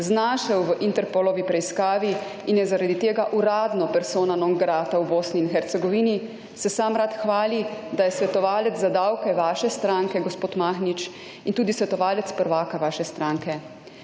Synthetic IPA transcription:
znaːʃɛwʋəʔint̪ɛɾpoːlɔʋipɾɛiskaːʋi | injɛzaɾad̪it̪eːɡaʔuɾaːd̪nɔpɛɾsoːnanɔŋɡɾaːt̪awboːsniːnxɛɾt̪sɛɡɔʋiːni | sɛsaːmɾat̪xʋaːlid̪ajɛsʋɛt̪ɔʋaːlɛt̪zzad̪awkɛʋaːʃɛst̪ɾaːŋkɛɡɔspoːt̪maxnit͡ʃ | int̪uːd̪isʋɛt̪ɔʋaːlɛt̪spəɾʋaːkaʋaːʃɛst̪ɾaːŋkɛ

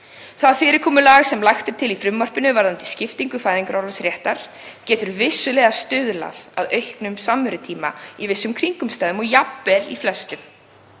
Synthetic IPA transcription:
θaðfɪːɾɪɾ̥kʰɔːmʏlaːɣsɛmlajxt̪ɪɾ̥t̪ʰɪlifɾʏmːœr̥pɪnʏvaɾðant̪ɪ̥scɪft̪iŋkʏfaːjðiŋkɾawɾlasɾjɛht̪aɾ̥ | cɛːt̪ʏɾvɪsːʏlɛːɣast̪ʏðla̰ða̰ðœɥjhknʏmsamːʏɾʏt̪ʰiːma̰ivɪsːʏmkʰɾiŋkʏmst̪aːjðʏmɔɣjapːɛlḭflɛst̪ʏm

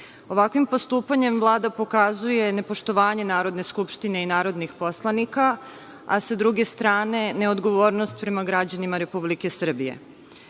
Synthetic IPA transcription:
o̞ʋakʋimpo̞st̪uːpaɲe̞mvlˠaːd̪apo̞kazuje̞ne̞po̞ʃt̪o̞ʋaːɲe̞naːɾo̞d̪ne̞skupʃt̪ine̞inaːɾo̞d̪nixpo̞slˠanika | a̰sad̪ɾuɡe̞st̪ɾaːne̞ne̞o̞d̪ɡo̞ʋoːɾnost̪pɾe̞maɡɾad͡ʑanimaɾe̞publike̞sr̩bije̞̰

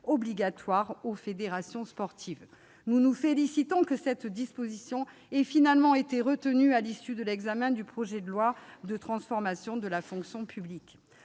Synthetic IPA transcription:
ɔbliɡat̪waʁofed̪eʁasjɔ̃spɔʁt̪ʰiv | nunufelisit̪ɔ̃kəsɛt̪d̪ispozisjɔ̃ɛfinalmɑ̃et̪eʁət̪ənyalisyd̪əlɛɡzamɛ̃d̪ypχɔʒɛd̪əlwad̪ət̪χɑ̃sfɔʁmasjɔ̃d̪əlafɔ̃ksjɔ̃pʰyblik

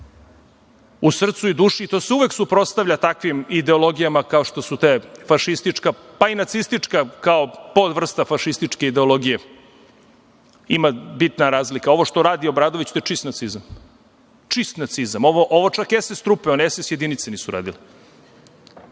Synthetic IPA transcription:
usr̩t̪suid̪uːʃit̪o̞ːseuʋe̞ksupɾo̞t̪st̪avʎʲat̪akʋimid̪eo̞lo̞ɡijamakao̞ʂt̪o̞sut̪eːfaʃist̪it͡ʂka | painat̪sist̪it͡ʂkakaopod̪ʋr̩st̪afaʃist̪it͡ʂke̞id̪eo̞lˠo̞ɡije | imabit̪naɾaːzlikao̞ʋo̞ʃt̪oɾaːd̪io̞bɾaːd̪o̞ʋit͡ɕt̪oet͡ʃist̪nat̪sizam | t͡ʂist̪nat̪sizamoʋoʔoʋot͡ʂakjesest̪ɾupeonesesje̞d̪init̪seniːsuɾa̰ːd̪ile

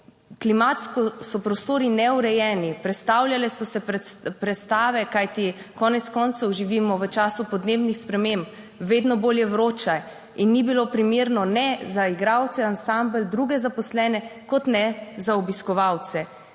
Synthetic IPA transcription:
klimat̪skɔsɔpɾɔst̪oːɾinɛuɾɛjɛːnipɾɛt̪st̪awljalɛsɔsɛpɾɛt̪st̪aːʋɛkajt̪ikɔːnɛt̪skɔnt̪sɔwʒiʋimɔʋət͡ʃaːsupɔd̪neːbnixspɾɛmemp | ʋeːd̪nɔboːljɛwɾoːt͡ʃaj | inːibilopɾimeːɾnɔnɛzaiɡɾawt̪sɛansambəld̪ɾuːɡɛzapɔslɛːnɛkɔt̪nɛzaɔbiskɔʋawt̪sɛ

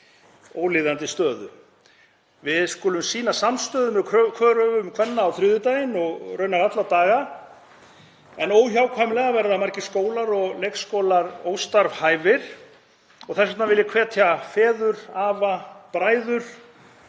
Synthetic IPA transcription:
oːwlɪːðant̪ɪst̪œːðʏ̰ | vɪðskʊːlʏmsiːnasamst̪œːðʏnʏkʰkʰvœːɾœvʏmkʰvɛnːaːwθɾʏðʏt̪ajɪnɔɣrœːɥnaɾat̪lat̪aːɣa | ɛnoːwçaːwkʰvajmlɛɣavɛɾðamaɾcɪ̥skoːwlaɾɔɣlejkskoːwlaɾoːwst̪aɾv̥haːjvɪɾ̥ | ɔɣθɛsɛt̪navɪlɪkʰvɛːt̪ʰjafɛːðʏɾaːvapɾaːjðʏɾ̥

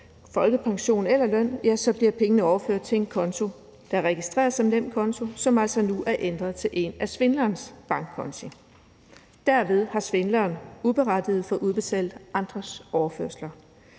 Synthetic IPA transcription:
fɒ̽lɡ̥əpʰɑ̈ŋɕo̝̰ːn̩elɐlœn̰jæsɒ̽b̥liɐpʰeŋənəɒʊɐføɐ̰d̥̚t͡sʰe̝enkʰɒ̽nt͡sʰo̝ | d̥ɑʁɛɡ̥isd̥ʁɛ̰ːɐsɒ̽mdem̰kʰɒ̽nt͡sʰo̝sɒ̽mæl̰sɒnuʔæɐʔend̥ʁɐð̞ˠt͡sʰe̝lʔe̝̰næsʋe̝nlɐːnsb̥ɑ̈ŋɡ̥ʰɒnsi | d̥æɐ̰ʋe̝ð̞ˠhɑ̈sʋe̝nlɐːnub̥e̝ʁɑd̥ið̞̩ˠfɒ̽ʔuð̞ˠb̥e̝t͡sʰɛ̰ːld̥ʔɑ̈nd̥ʁɐsɒʊɐføɐslɐ

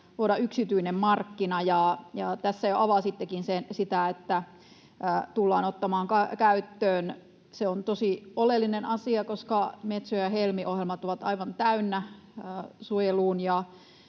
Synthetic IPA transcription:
t̪uoɾɑyksit̪yinemmɑrkːinɑjɑjɑt̪æsːæjoʔɑʋɑsit̪ːekinsensit̪æet̪ːæ | t̪ulːɑːnot̪ːɑmɑːŋkɑkæyt̪ːøːn | seont̪osiolelːinenɑsiɑkoskɑmet̪sojɑhelmiʔohjelmɑt̪oʋɑt̪ɑ̰iʋɑnt̪æynːæ | suojeluːnjɑ

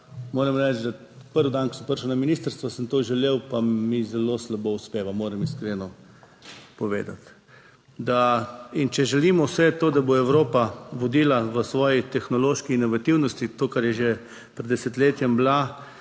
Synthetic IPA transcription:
moːɾɛmɾɛt͡ʃd̪a | pəɾʋd̪ankɔsəmpəɾʃəwnaminiːst̪əɾst̪ʋɔsəmt̪oːʒɛleːwpamizɛloslabouspeːʋamoːɾɛmiskɾeːnɔ | pɔʋḛːd̪a̰t̪ | d̪aint͡ʃɛʒɛliːmɔwsɛt̪oːd̪aboɛwɾoːpaʋɔd̪iːlaʋəsʋɔːjit̪ɛxnɔloːʃkiːnɔʋat̪iwnɔst̪it̪oːkaɾjɛʒe | pɾɛd̪ɛsɛt̪leːt̪jɛmbla

